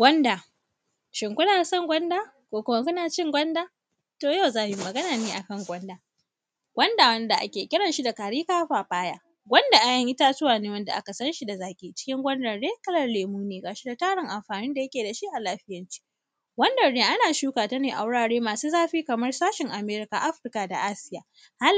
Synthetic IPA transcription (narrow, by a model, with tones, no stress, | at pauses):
ɡʷɐ˦nda˨ | ʃɪ˨ŋkʷʊ˦naː˨sɐ˦˨ŋɡʷɐ˦ndaː˦ | kʷoː˦kʷʊ˦ma˦kʷʊ˦naː˨t͡ʃɪ˦ŋɡʷɐ˦ndaː˦ | toː˨ja˦wzaː˦˨ji˦mɐ˨ɡɐ˦naː˨neː˦ʔa˨kɐ˦ŋɡʷɐ˦ndaː˨ | ɡ̥ʷɐ˦nda˨wɐ˦nda˨ʔa̰˦kʲeː˨kʲɪ˦ɽɐ˨nʃi˦da˨kaː˨ɽiː˦kaː˦ɸaː˨ɸaː˦jaː˦ | ɡʷɐ˦nda˨ʔa˨jɐ˦ŋʔɪ˦taː˦zʊ˦waː˨neː˦wɐ˦nda˨ʔa˦ka˨sɐ˦nʃi˦da˨zaː˦kʲʼiː˦˨t͡ʃɪ̥˦kʲɪ˦ŋɡʷɐ˦ndɐ˨rdeː˦kʼɐ˦lɐ˦rleː˨muː˦neː˨ɡaː˨ʃi˦da˨taː˦ɽɪ˨ŋʔa˨mɸaː˨nɪ˦nda˨jɐ˦kʲeː˨da˨ʃi˦ʔa˨laː˦ɸɪ˦jɐ˦nt͡ʃi̥˦ | ɡʷɐ˦ndɐ˨rdeː˦ʔa˦naː˨ʃuː˦kaː˨tɐ˦neː˨ʔa̰˨wʊ˦ɽaː˨ɽeː˦maː˨suː˦zaː˦ɸiː˦kɐ˨mɐ˦rsaː˦ʃɪ˨ŋʔa˨meː˦ɾɪ˦ka˨ʔa˦ɸɪ˦rka˨da̰˨ʔa˦sɪ˦jaː˨ | ha˦